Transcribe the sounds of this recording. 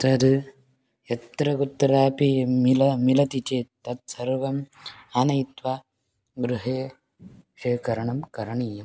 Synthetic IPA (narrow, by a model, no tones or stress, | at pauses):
t̪ɐd̪ | et̪ɾɐɡut̪ːɐɾaːpimilɐmilɐt̪it͡ʃeːt̪ɐt̪sɐɾʋɐmanɐjt̪ʋaː | ɡɾuɦeː | ʂeːkɐɾɐɳɐmkɐɾɐɳiːjɐm